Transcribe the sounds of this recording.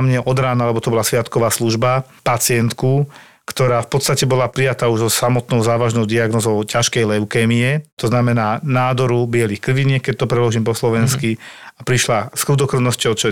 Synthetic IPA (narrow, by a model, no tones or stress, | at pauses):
mɲɛʔɔd̪ɾaːnalɛbɔt̪ɔbɔlasʋɪat̪kɔʋaːsluʒba | pat͡sɪɛnt̪ku | kt̪ɔɾaːfpɔt̪st̪acɛbɔlapɾijat̪aːuʒzɔsamɔt̪nɔʊzaːʋaʒnɔʊd̪iaɡnɔzɔʊcaʃkɛjlɛʊkɛːmiɛt̪ɔznamɛnaːnaːd̪ɔɾubɪɛlixkɾʋiɲɛːkɛc̚t̪ɔpɾɛlɔʒiːmpɔslɔʋɛnskiapɾiʃlaskɾud̪ɔkɾɔnɔscɔʊt͡ʃɔ